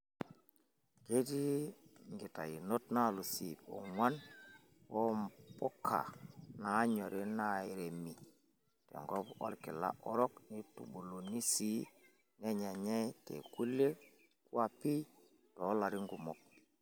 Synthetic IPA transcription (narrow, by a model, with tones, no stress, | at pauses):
ke˦ti˦ŋɡi˨ta̰˨i˨no˦tna˦˨lu˨si˨po̰˨ŋwa˦n | wo˦mpo˦kʰa̰˨na˨˦ɲo˨ɾʔi˦na˦i˨ɾe˨mi˨ | tḛ˨ŋɡo˦po̰˦lki˨la̰˦ʔo˦ɾɔ˦kni˦tṵ˨ɓo˨lo˨ni˦si˦ | ne˦ɲa˨ɲe˦tḛ˨ku˦le˦ | ku˦a˨pi˦ | to˨˦la˨ɾi˦ŋɡu˨mo˨k̚